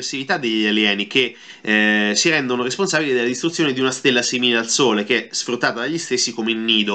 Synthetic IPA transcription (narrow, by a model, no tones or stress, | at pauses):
ersivit̪ad̪ːeʎːialjɛːnik̟e | siɾɛnd̪onoɾesponsaːbilid̪elːad̪ist̪ɾut̪sjoned̪iunast̪elːasimilealsoːlek̟eɛsfɾut̪ːaːt̪ad̪aʎːist̪esːikomeilniːd̪o